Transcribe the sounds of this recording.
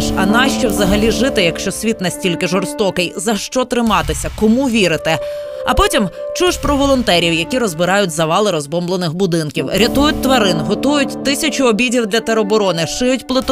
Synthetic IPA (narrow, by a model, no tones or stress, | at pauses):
ʃɐnɑʃt͡ʃɔwzɐɦɐlʲiʒɪt̪ɪjɐkʃt͡ʃɔsʲʋʲit̪nɐsʲtʲilʲkɪʒɔrst̪ɔkɪjzɐʃt͡ʃɔt̪ɾɪmɑt̪ɪsʲɐkɔmuʋʲiɾɪt̪ɪ | ɐ̰pɔtʲimt͡ʃuʃpɾɔʋɔlˠɔnt̪ɛɾʲiwjɐkʲiɾɔzbɪɾɑjʊtʲzɐʋɑlˠɪɾɔzbɔmblˠenɪxbʊd̪ɪnkʲiwɾʲɐt̪ujʊt̚ʲt̪ʋɐɾɪnɦɔt̪ujʊtʲt̪ɪsʲɐt͡ʃʊɔbʲidʲiwd̪lʲɐt̪eɾɔbɔɾɔnɪʃɪjʊtʲplˠɪt̪